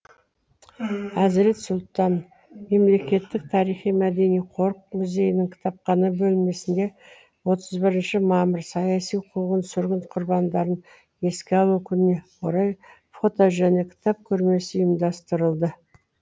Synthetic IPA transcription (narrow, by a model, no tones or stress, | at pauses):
æzɾe̞t̪sʊlˠt̪ɑn | me̞mle̞kʲe̞t̪ːɪk̚t̪ʰɑɾijχijmæd̪e̞nijqʰo̞ɾq̚mʊze̞jɪnɪŋkʲʰɪ̥t̪ʰɑp̚qɑnəbɵlme̞sɪnd̪e̞ | wo̞t̪ʰəzbɪɾɪnʃɪmɑməɾsɑjɑsijqʰuʁənsʏɾɡʲɪnqʰʊɾbɑnd̪ɑɾən | e̞skʲeɑlˠkʲʰʏnne̞qʰoɾɑj | fo̞t̪oʒæne̞kʲʰɪ̥t̪ɑp̚kʲʰɵɾme̞sɪjɪmd̪ɑst̪əɾəlˠd̪ə